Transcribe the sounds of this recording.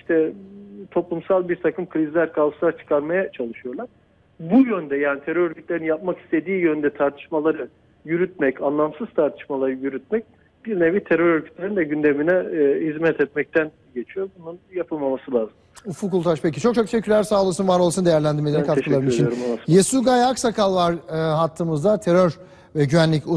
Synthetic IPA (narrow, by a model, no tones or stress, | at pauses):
iʃt̪ʰɛt̪ʰo̞plˠumsalˠbiɾt̪ʰakʰɯmkʰɯɾizlʲæɾkʰalˠɯʃlˠaɾt͡ʃʰɯ̥kʰaɾmajat͡ʃʰalˠɯʃɯjo̞ɾlˠaɾ̥ | bujønd̪ɛjaːnit̪ʰeɾøɾøɾcʰyt̪lʲe̞ɾinjap̚maki̥st̪ʰe̞d̪iːjønnd̪ɛt̪ʰaɾt̪ʰɯ̥ʃmalˠaɾɯ | jyɾyt̪̚mɛcanlˠamsɯz̥t̪ʰaɾt̪ʰɯ̥ʃmalˠaɾɯjyɾyt̪̚mɛc̚ | b̥iɾnevit̪ʰeɾøɾøɾkʰyt̪lʲeɾind̪ɛɟynd̪e̞minɛːhizmɛt̪ʰɛt̪mɛc̚t̪ʰæn | ɟe̞t͡ʃʰijo̞bununjapʰɯlˠmamasɯlˠaːzɯmufukulˠt̪ʰaʃpʰecit͡ʃʰokt͡ʃʰokt̪ʰeʃecʰːylʲæɾsaːlˠɯsunvaɾo̞lˠsund̪eæɾlʲænd̪iɾmelʲeɾɛkʰat̪ɯlˠabiliit͡ʃinɾjesuɡajaksakʰalˠvaɾɦat̪ʰːɯːmɯzd̪at̪ʰe̞ɾøɾ | vɛɟyvænlʲicu